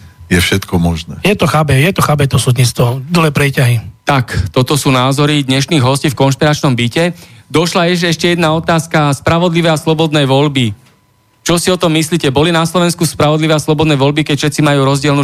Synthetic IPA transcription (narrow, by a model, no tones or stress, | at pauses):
jɛfʃɛt̪kɔmɔʒnɛːjɛt̪ɔxaːbɛjɛt̪ɔxaːbɛt̪ɔsuːd̪ɲist̪ʋɔd̪lɛːpɾɛcaɦit̪akt̪ɔt̪ɔsuːnaːzɔɾid̪ɲɛʃniːɣɦɔsciːfkɔnʃpiɾat͡ʃnɔmbicɛd̪ɔʃlajɛʒɛɛʃcɛjɛd̪naɔt̪aːskaspɾaʋɔd̪liʋɛjaslɔbɔd̪nɛjʋɔʎbi | t͡ʃɔsiɔt̪ɔmːisliːcɛbɔlinaslɔʋɛnskuspɾaʋɔd̪liʋɛaslɔbɔd̪nɛjʋɔʎbikɛcfʃɛt̪t͡simajuːɾɔzɟɪɛlnu